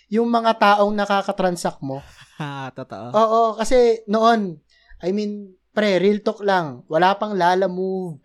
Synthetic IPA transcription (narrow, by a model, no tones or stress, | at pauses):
jʊŋmɐŋat̪aːʔo̞ŋnɐkaːkɐt̪ɾɐnsɐk̚mo̞t̪ot̪o̰ʔoʔoːʔokɐsɛnoʔo̞n | ʔɐjmin | pɾɛɾilt̪oklɐŋwɐlaːpɐŋlaːlɐmo